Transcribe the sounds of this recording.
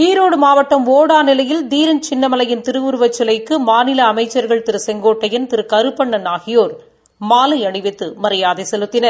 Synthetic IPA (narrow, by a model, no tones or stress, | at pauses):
iːɾoːɽɯmaːʋɐʈːɐmoːɽaːnɪlɐjɪld̪iːɾɐnt͡ʃɪnːɐmɐlɐjɪnt̪ɪɾɯʋʊɾɯʋɐt͡ʃːɪlɐɪkːɯmaːnɪlɐːmɐɪt͡ʃːɐɾɣɐɭt̪ɪɾɯsɛŋɡoːʈːɐjɪnt̪ɪɾɯkɐɾɯpːɐɳːɐnaːɣɪjoːɾ | maːlɐɐɳɪʋɛt̪ːɯmɐɾɐjaːðesɛlɯt̪ːɪnɐɾ